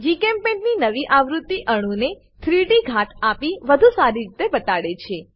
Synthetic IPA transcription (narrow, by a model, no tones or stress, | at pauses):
d͡ʒikempẽɳʈninəʋiʔaʋɾut̪ːiʔəɽ̃ũne | t̪ʰɾiʈiɡʱaʈʰapiʋəd̪ʱusaɾiɾit̪ebət̪aɽet͡ʃʰe